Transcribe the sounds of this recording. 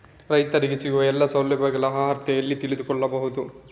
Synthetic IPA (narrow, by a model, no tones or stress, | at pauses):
ɾɐjt̪ɐɾiɡesiɡuʋɐɛlːɐsɐwljɐbɐɡɐlɐɦaːɦɐɾt̪jɐjɐlːit̪ilid̪ukɔɭːɐbɐɦud̪u